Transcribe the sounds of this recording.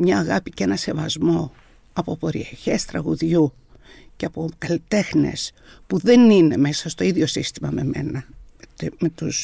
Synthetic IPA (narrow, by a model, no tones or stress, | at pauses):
mɲɐːɣɐpicee̞nɐse̞vɐzmo̞ | ɐpo̞po̞ɾḭeçe̞st̪ɾɐɣuðʝu | ceɐpo̞kɐlit̪e̞xne̞̰s | puðe̞nine̞me̞sɐst̪o̞iðʝo̞sist̪imɐme̞me̞̰nɐ | met̪us